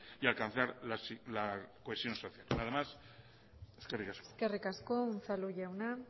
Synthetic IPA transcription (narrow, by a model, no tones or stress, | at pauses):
ialkanθaɾlaslakoesjo̞nsoθjalnaðamas | eskerikaskskerikaskounθaluʝewna